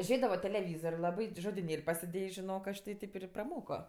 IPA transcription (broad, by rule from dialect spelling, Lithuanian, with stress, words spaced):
ˈʒʲeːdɐʋoː tʲɛlʲɛˈʋʲiːzoːrʲ ˈlˠɑːbɐɪ tʲɪ ʒoːdʲɪˈnʲeːlʲ pɐsʲɪˈdʲeːjæːs ʒʲɪˈnoːk ˈɐʃ tʲɪ ˈtʲɪp ɪr prɐˈmoːkoː